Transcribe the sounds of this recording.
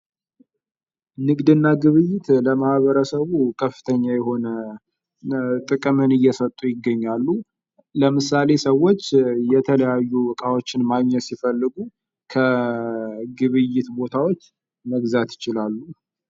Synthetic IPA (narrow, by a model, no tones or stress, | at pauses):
nɨɡʼd̪ɨnːaɡɨβɨjːɪt̪ləmahβəɾəsəβukʰəfːɨ̥t̪ʰəɲːajɛɦo̞nə | t̪ʼɨkʼɨmɨnɨjːɛsət̪ʼujɪɡːəɲːalːu | ləmɨsale̞səwo̞t͡ʃːjɛt̪ʰələjajːubɨkʼawo̞t͡ʃːɪnmaɡɲət̪sifəlːɨɡu | kʰə | ɡɨβɨjːɪt̪bo̞t̪ʰawo̞t͡ʃː | məɡzat̪jɪt͡ʃɪlalːu